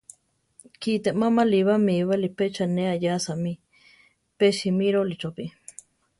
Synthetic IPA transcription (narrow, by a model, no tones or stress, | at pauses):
kit̪eʔmamaliβamiβalipet͡ʃaneajasami | peʃimiɾolit͡ʃopi